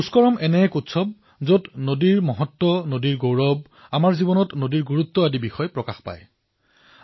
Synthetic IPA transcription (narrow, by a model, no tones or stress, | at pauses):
uskɔɹɔmɛnɛkutsʰɔb̚ | zotnodiɹmɔɦɔtːɔnodiɹɡowɹɔb̚ | amaɹzibɔnɔtnodiɹɡuɹut̪ːɔadibixɔjpɹɔkaxpa̰j